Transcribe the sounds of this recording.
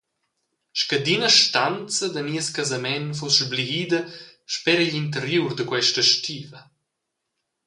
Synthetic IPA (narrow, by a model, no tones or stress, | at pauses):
ʃkəd̪inəʃtant͡səd̪əniəskazamɛnfɔsʒbliid̪əʃpɛɾəʎint̪̬əɾjurd̪əkwɛʃtəʃtiːvɐ